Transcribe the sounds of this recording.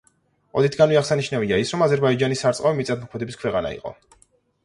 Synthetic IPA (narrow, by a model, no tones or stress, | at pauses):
ɔd̪it̪ʰɡanviaχsaniʃnaviaisɾɔmazɛɾbaid͡ʒanisaɾt̪sʼqʼavimit̪sʼad̪̚mɔkʰmɛd̪ɛbiskʰwɛqʼana̰ḭqʼɔ̰